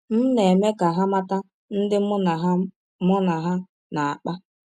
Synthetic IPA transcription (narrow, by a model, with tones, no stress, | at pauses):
m̩˦ne˨me˦ka˨ɦa˦ma˦ta˦ | n̩˦dɪ˦˨ɦ | mʊ˦na˨ɦa˦ | na˨a˨k͡pa˦